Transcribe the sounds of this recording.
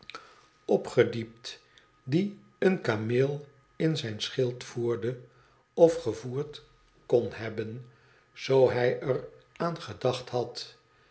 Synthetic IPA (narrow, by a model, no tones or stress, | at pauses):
ɔpχədip̚t | di | ənkameːlˠ | ɪnzɛjnsχɪlˠtfuːɹdə | ɔfχəvuːɹt | kɔnɦɛbən | z̥owɦɛjərʔaːnχədɑχtɦɑt